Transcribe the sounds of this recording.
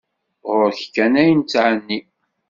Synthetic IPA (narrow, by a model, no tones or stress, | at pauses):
ʁʊɾçkːænæjənt͡sːʕənːi